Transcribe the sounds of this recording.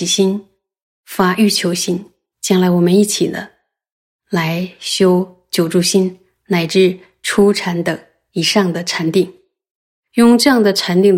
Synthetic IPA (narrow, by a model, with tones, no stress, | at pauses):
i˨˩ɕi˥n | fa˥ʔy˥˩t͡ɕʰjo˧˥ʊɕi˥n | t͡ɕjɑ˥ŋla˧˥ɪwɔ˨˩mə˦ni˥˩t͡ɕʰḭ˨˩d̪ə̰˦ | la˧˥ɪɕjo˥ʊ | t͡ɕjo˨˩ʊʈ͡ʂu˥˩ɕi˥n | na˨˩ɪʈ͡ʂɻ̩˥˩ | ʈ͡ʂʰu˥ʈ͡ʂʰa˧˥nd̪ə˨˩ŋ | i˨˩ʂɑ˥˩ŋd̪ə˩ʈ͡ʂʰa˧˥nt̪i˥˩˦ŋ | jʊ˥˧ŋʈ͡ʂɤ˥˧jɑ˥˩ŋd̪ə˩ʈ͡ʂʰa˧˥nt̪i˥˩ŋ